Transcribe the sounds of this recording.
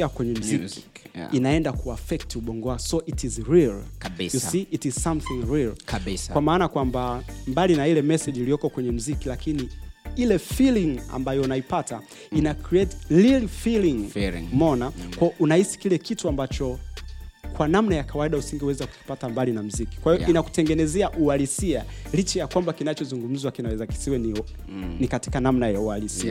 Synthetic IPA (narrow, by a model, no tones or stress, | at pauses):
akwɛɲɛm̩zik | inaɛndakuafɛk̚tuɓɔŋɡɔasɔʔitizɹilksjusiʔitiz̥samθĩŋɹilkaskwamaːnakwambambalinailɛmɛsɛʄilijɔkɔkwɛɲɛm̩zikilakiniilɛfiliŋa̰mbajɔunaipata | inakɾiɛtlilifiliŋmɔnakwaʔunahisi̥kilɛkituambat͡ʃɔ | kwanamnajakawaiɗausiŋɡihuwɛzaku̥ki̥patambalinam̩ziki̥kwahijɔinaku̥tɛŋɡɛnɛzɛaʔualisialit͡ʃajakwambakinat͡ʃɔzuŋɡum̩zwakinawɛzaki̥siwɛni | nikati̥kanamnajaualisia